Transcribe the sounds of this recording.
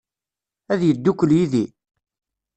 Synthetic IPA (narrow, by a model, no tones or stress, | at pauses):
æðjəd̪ːukːəljiði